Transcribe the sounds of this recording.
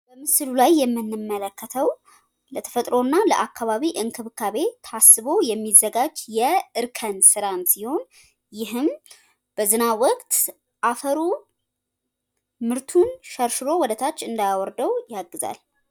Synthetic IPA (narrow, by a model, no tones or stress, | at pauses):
bəmɨsɨlulajːɛmːɨnːɨmːələkːət̪ʰəw | lət̪ʰə̥fət̪ʼɾo̞nːaləʔakːaβaβiʔɨŋkʰɨβkʰaβe̞t̪ʰasːɨβo̞jɛmːizːəɡad͡ʒjɛɨɾkʰənsɨɾansiho̞n | jɪɦɨm | b̥əzɨnawɔkʼt̪ | ʔafəɾu | mɨɾt̪ʰunʃəɾʃɨɾo̞wɔd̪ət̪ʰat͡ʃːɨnd̪ajawɔɾd̪əwjaɡɨza̰l